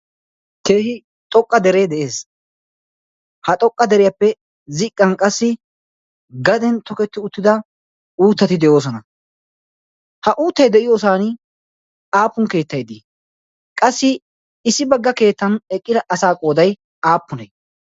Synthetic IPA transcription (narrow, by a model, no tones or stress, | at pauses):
ke̞ːhɪ | t̪ʼɔkʼːɐd̪ɛɾed̪ɛʔe̞ːs | hɐt̪ʼɔkʼːɐd̪ɛɾɪjɐpːɛ | zɪkʼːɐnkʼɐsːɪ | ɡɐd̪ɛnt̪ɔkɛt̪ːɪʊt̪ːɪd̪ɐ | uːt̪ːɐt̪ɪd̪ɛjo̞ːs̬ɔnɐ | hɐʔuːt̪ːɐjd̪ɛʔɪjoːs̬aːnɪ | aːpːʊŋke̞ːt̪ːɐjd̪iː | kʼɐsːɪ | ɪsːɪbɐɡːɐke̞ːt̪ːɐnɛkʼːɪd̪ɐʔɐsaːkʼo̞ːd̪ɐj | aːpːʊnɐj